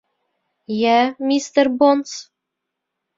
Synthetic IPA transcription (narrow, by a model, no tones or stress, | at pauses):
jæmʲist̪ərbons